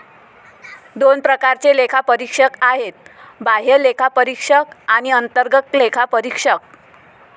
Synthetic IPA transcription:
d̪onpɾəkaɾt͡selekʰapəɾikʂəkaɦet̪̚baɦelekʰapəɾikʂəkaɽ̃iənt̪əɾɡək̪lekʰapəɾikʂək̚

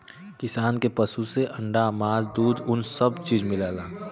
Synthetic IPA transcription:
kɪsaːnkepəsuseʔə̃ɳɖamaːzd̪uːd̪ʊnsəbt͡ʃiːd͡ʒmɪlaːlaː

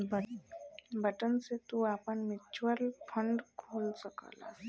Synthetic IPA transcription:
bəʈənset̪uapəɳmɪt͡ʃuəlpʰəɳɖkʰoːlsəkə̰la̰

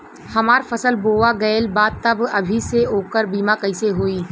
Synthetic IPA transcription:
hɐmaːɾfɐsəlboːʋaɡɐjlbaːd̪̚t̪ɐbɐbʱiseoːkəɾbiːmakɐɪseɦoːiː

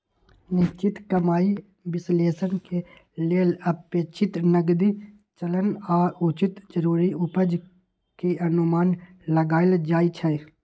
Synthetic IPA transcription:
nɪst͡ʃɪt̪kəmaːi | bɪsleːsənke | leːləpet͡ʃʰɪt̪nəɡd̪i | t͡ʃələnaːʊt͡ʃɪt̪d͡ʒəɾuːɾiʊpəd͡ʒ | keənʊmaːn | ləɡaːɪld͡ʒaːit͡ʃʰɛ

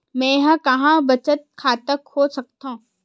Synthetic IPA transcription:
mɛ̃jɦãkɐɦãbɐt͡ʃət̪̚kʰaːt̪əkhoːsɐk̚t̪ã

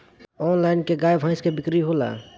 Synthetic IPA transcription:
ɔːnlaːɪnkeɡaːjbʱãːɪskebɪkɾiɦoːla̰ː

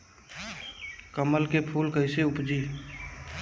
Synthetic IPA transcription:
kəməlkepʰuːlkəɪseʊpd͡ʒiː

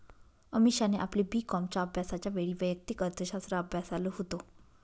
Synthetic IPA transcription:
əmiɕaneʔaplibiːkɔmt͡ɕaəbʱjasat͡ɕjaʋeɭiːʋəjək̚t̪ikəɾt̪ʰəɕast̪ɾaəbʱjasaloɦot̪o

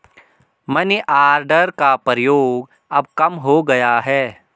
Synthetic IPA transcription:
mɐnʔaːɾɖəɾkapəɾjoːɡ | ɐb̚kɐmɦoɡɐjaɦɛː

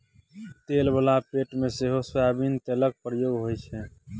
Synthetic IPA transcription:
t̪elbəlapeʈmeseɦosjabint̪elək̚pɾəjoɡɦojt͡ʃʰɛ

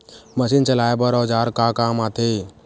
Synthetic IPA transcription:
məsiːnt͡ʃəlaːebəɾɔd͡ʒaːɾkakaːmaːt̪ʰe

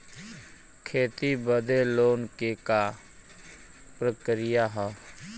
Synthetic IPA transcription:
kʰeːt̪ibəd̪eloːnkeka | pɾəkɾɪjaɦɛ

